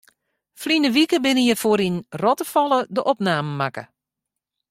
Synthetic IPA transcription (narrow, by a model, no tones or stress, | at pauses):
flinəʋikəbɪnəjəfoəɾinrɔtəfɔlˠədəʔɔpnaːməmakə̰